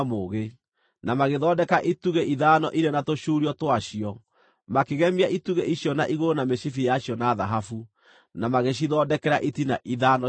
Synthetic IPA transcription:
moɣe | namaɣeðɔdɛkaʔituɣeʔiðaːnɔ̰ʔiɾenatoʃuːɾiɔtwaʃiɔ | makeɣɛmiaituɣeʔiɕjɔna̰ʔiɣoɾonameʃifijaɕiɔnaːðaɦafu | namaɣeʃ̬iðɔdɛkɛɾaʔitinaʔiðaːnɔ

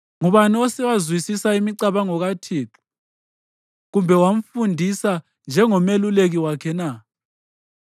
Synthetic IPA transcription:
ŋuβaniɔsɛwazwisisaimiǀaβaŋɔɣatʰiːǁu̥ | ɣumbʱɛwam̩fundʱisa | nd͡ʒʱɛŋɔmeluleɣiwakʰɛna

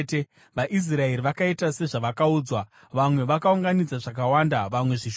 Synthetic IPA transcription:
te | ʋaʔis̬rae̞ɾiʋakaitase̞ʐaʋakauːd͡zwa | ʋamwe̞ʋakauŋɡanid͡zaʐak̬awaːndaʋamwe̞ʐiʃ

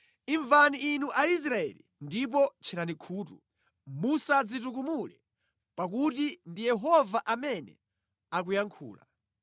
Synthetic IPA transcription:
iɱvaniːnuʔais̬ɾaɛ̰lḭ | ndip̬ɔt͡ʃʰinanikʰuːtṵ | musad͡zituk̬umulɛ | pak̬utindijɛɦɔvaʔamɛnɛ̰ | ak̬ujaŋkʰṵːla̰

